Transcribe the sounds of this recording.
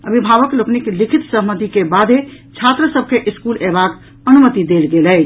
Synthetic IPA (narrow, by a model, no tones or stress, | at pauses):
ə̰bʱibʱaβəklokniklikʰit̪səɦmət̪ikebad̪ʱet͡ʃʰat̪ɾəsəb̚ʱkeʔiskulebak | ənumət̪id̪elɡelɛt͡ʃ